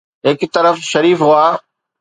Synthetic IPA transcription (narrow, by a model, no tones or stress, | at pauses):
ɦɪkt̪ɐɾəfʃɐɾiːfɦuaː